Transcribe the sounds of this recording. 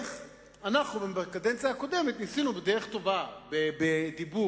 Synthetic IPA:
anaχnubembekad̪ent͡sjaːko̞d̪e̞met̪nisinubed̪eʁeχt̪o̞vabebed̪ibu

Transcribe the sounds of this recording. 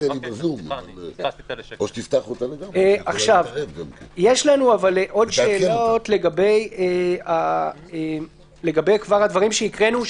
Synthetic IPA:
elibazuman | oʃe̥t̪ift̪aχot̪aleɡameʔaχʃavevɡamkenjeʃlanuavalʔo̞d̪ʃeːlo̞tle̞ɡabe̞jeae | le̞ɡabe̞jkvaʁhad̪vaʁimʃeikʁenu

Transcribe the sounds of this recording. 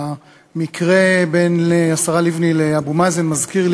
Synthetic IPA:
mikʰʁe̞be̞nleasaʁalivnileabumazenmazkiʁl

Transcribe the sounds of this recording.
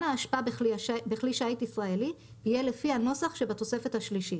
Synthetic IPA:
naːʃpabbeχliʃaitisʁaeli | ijelefiano̞saχʃebat̪o̞se̞fethaʃliʃi

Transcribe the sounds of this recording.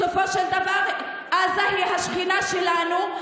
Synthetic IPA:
ofo̞ʃeld̪avaʁ | aːzaliɦaʃχinaʃelanu

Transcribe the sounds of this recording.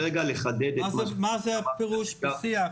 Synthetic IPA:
eɡaleχad̪ed̪eamazeapeʁuʃsia

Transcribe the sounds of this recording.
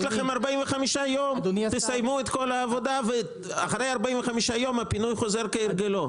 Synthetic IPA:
laχemaʁbaimveχamiʃajo̞mdt̪esajmuet̪ko̞laːvo̞d̪ave | aχɾe̞jaʁbaʔimveχamiʃajo̞mapinujχo̞ze̞ʁkeiɾɡelo̞

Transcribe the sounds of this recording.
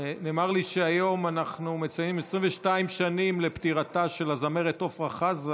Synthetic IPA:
neːmaʁliʃeajo̞manaχnumet͡sajimesʁimveʃtaimʃanimle̞pt̪iʁataʃe̞lazame̞ʁet̪o̞fʁaχaz

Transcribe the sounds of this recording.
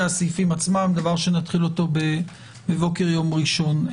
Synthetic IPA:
asifimat͡smamd̪avaʁʃenat̪χilo̞to̞be | bevo̞keʁjo̞mʁiʃo̞n

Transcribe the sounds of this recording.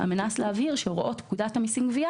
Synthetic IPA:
a̰menasleaviʁʃeʁoʔo̞tkud̪athamisiŋɡvia

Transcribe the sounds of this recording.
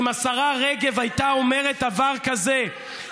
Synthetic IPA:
masaʁaʁeɡe̞vajtao̞me̞ʁe̞t̪̚d̪avaʁkaze

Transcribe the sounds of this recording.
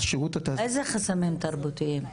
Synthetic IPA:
ʃiʁut̪at̪aejzeχasamimt̪ɐɾbut̪iim

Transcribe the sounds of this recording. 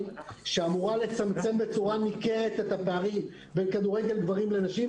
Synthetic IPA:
ʃeamuʁale̞t͡samt͡se̞mbe̞t͡suʁanikehet̪et̪apeaʁim | be̞nkaduʁeɡe̞ldvaʁimle̞naʃi

